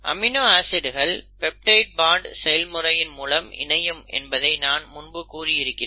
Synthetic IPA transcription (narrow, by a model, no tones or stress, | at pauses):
ʔɐ̰mɪnoːaːsɪɽɯɣɐɭpɛp̚ʈɐɪʈ̚baːɳɖsɛjɐlmɯrɐjɪnmuːlɐmɪ̰nɐjɯmʔɛ̰nbɐðɐɪnaːnmʊnbɯkuːriɪɾɯkːɪn